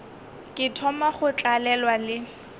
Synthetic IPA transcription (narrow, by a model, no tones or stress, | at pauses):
kʼɪtʰɔmaχʊt͡ɬʼalɛlwalɪ